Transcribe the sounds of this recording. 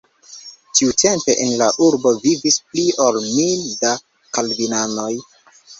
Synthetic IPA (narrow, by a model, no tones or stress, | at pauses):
tʰiutʰe̞mpe̞ʔenlaʔuɾbo̞vivisplio̞lmilda | kalbinano̞j